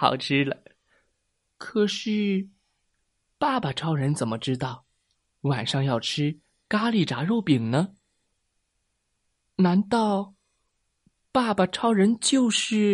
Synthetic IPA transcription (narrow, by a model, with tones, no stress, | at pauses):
xɑ̰˨˩ʊʈ͡ʂʰɻ̩˥lə˧ | kʰɤ˨˩ʂɻ̩˥˩ | pa˥˩ba˩ʈ͡ʂʰɑ˥ʊɻə˧˥nt͡sə˨˩nmə˦ʈ͡ʂɻ̩˥t̪ɑ˥˩ʊ | wa˨˩nʂɑ˥˧ŋjɑ˥˩ʊʈ͡ʂʰɻɻ̩˥ | ka˥li˨˩ʈ͡ʂa̰˧˥ɻo˥˩ʊpi˨˩ŋnə˦ | na˧˥nt̪ɑ˥˩˧ʊ | pa˥˩bə˨˩ʈ͡ʂʰɑ˥ʊɻə˧˥nt͡ɕjo˥˧ʊʂɻ̩˥˩